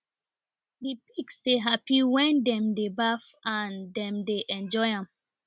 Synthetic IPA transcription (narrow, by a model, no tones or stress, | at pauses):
dipiksdeɦapiwɛ̃ndɛ̃mdebaf | ãndɛ̃mdeʔɛ̃nd͡ʒɔɪãm